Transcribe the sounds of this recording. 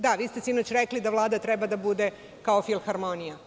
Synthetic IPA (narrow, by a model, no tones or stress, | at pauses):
d̪aʋiːst̪e̞sinot͡ɕɾeklid̪aʋlˠaːd̪at̪ɾebad̪abud̪e̞ | kaofilˠmxaɾmo̞nija